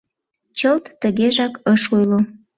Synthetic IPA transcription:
t͡ɕəlt̪ːəɣeʒɑkəʃujlo

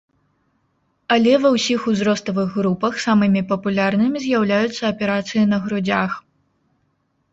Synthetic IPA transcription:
ɐlʲɛvɐwsʲixuzɾɔst̪ɐvɨɣːɾupɐxsamɨmʲipɐpulʲarnɨmʲizʲjawlʲajut̪sːɐɐpʲɛɾat̪sɨjinɐɣɾud͡zʲax

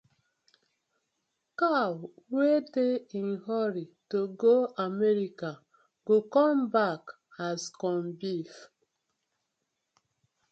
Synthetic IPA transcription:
kawwedein̩ɦɔɾitoɡoamɛɾika | ɡokɔ̃mbak | askɔmbif

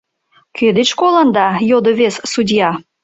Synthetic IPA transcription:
kød̪et͡ɕkolənd̪ɑjod̪oβessudʲjɑ

